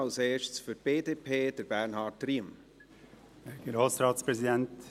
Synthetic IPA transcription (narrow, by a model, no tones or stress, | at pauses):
ɑlseːʃsfytb̥eːdeːpʰeːd̥əɾbæɾnhɑːtriːəm | ɡ̥ɾoːsɾɑːtspɾɛsidɛnt